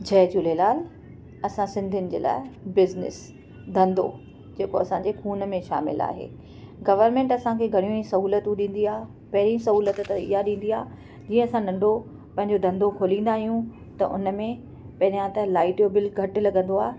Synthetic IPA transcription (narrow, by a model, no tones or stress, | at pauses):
d͡ʑʱɛːd͡ʑʊlelaːl | ɐsãsɪ̃nd̪ʱʊnɪ̆d͡ʑḛːla̰ːɪbɪznɪ̰s | d̪ʱɐ̃nd̪o̰ | d͡ʑeːkoɐsãɲd͡ʑekʰuːnmẽʃa̰ːmɪ̰la̰ːɦḛː | ɡɐʋəɾmẽːɳʈɐsãkʰeɡʱɐɽ̃ijõisɐɦuːlət̪ũɗĩːn̆d̪iaː | pɐɦɪɾĩsɐɦuːlət̪t̪ɪ̰ɦaɗĩːn̆d̪iaː | d͡ʑiːə̃ɐsãnɐ̃ɳɖʱo | pɐ̃ɦɪ̃ɲd͡ʑod̪ʱɐ̃nd̪ʱokʰoːlĩːnd̪aːɦijũ | t̪ɐʔʊ̰nəmẽ | pɐɦɪɾijãt̪ɐlaːɪʈjobɪlɡʱɐʈlɐɠə̃nd̪oaːɦe